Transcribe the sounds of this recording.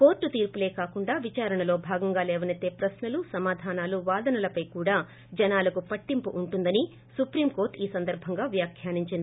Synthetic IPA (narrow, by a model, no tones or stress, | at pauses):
ko̞ːɾʈːut̪iːɾpule̞ːkaːkuɳɖaːʋit͡ʃaːɾɐɳɐlo̞ːbʱaːɡɐŋɡaːlɛːʋɐnɐt̪e̞ːpɾɐsnɐlusɐmaːd̪ʱaːnaːluʋaːd̪ɐnɐlɐpɐjkuːɽaː | d͡ʒɐnaːlɐkupɐʈːimpuʔuɳʈund̪ɐni | supɾiːmko̞ːɾʈiːsɐnd̪ɐɾbʱɐŋɡaːʋjaːkʰjaːniɲt͡ʃind̪ii